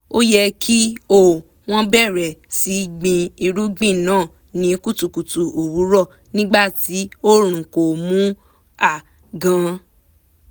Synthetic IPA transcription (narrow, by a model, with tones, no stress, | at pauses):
o˦jɛ˧kʰi˦o˦˨ | w̃ɔ̃˦bɛ˦˨ɾɛ˨si˨˦ɡ͡bĩ˧i˧ɾu˦ɡ͡bĩ˦˨nãː˨˦˨ | nĩ˨˦ku˦tu˨ku˨tu˨o˨wu˨˦ɾɔ˦˨ | nĩ˦ɡ͡ba˦˨ti˨˦o˦ɾ̃ũ˨ko˨mũ˨˦ | a˨ | ɡã˧